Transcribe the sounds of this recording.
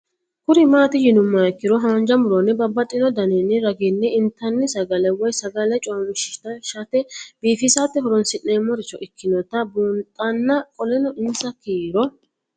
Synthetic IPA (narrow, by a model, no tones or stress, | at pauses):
kʊɾɪmaːt̪ɪjɪnʊmːɐɛkːɪɾɔɦɐːnd͡ʒɐmʊɾɔnːɛbɐbːɐt̪ʼːɪnɔd̪ɐnɛnːɛɾɐɡɪnːɛɪnt̪ːɐnːɪsɐɡɐlɛwɔjsɐɡɐlɛt͡ʃʼoːmɪʃɪ̥ʃt̪ɐʃɐt̪ɛb̥iːfɪsat̪ːɛɦɔɾɔnsɪnneːmːɔɾɪt͡ʃːɔʔɪkːɪnɔt̪ːɐbuːntʼɐnːɐkʼɔlɛnɔʔɪnsɐkiːɾɔ